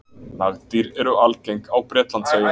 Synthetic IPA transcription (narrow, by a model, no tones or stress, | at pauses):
naɣt̪iɾɛɾʏalcejŋkawpɾɛːt̪lant̪seːjɪ